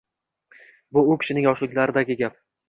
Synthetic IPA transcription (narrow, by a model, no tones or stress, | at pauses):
bʊʊkʲʰɪ̥ʃɪnɪŋjɒʃlɪkʲlaɾɪd̪aɡʲɪɡʲap̚